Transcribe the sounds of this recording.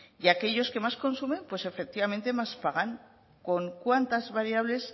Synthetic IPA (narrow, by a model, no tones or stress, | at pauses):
ʝake̞ʝo̞ske̞masko̞nsume̞mpwe̞se̞fek̚t̪iβame̞nt̪e̞maspaɣ̞aŋ | ko̞ŋkwant̪azβaɾiaβ̞le̞s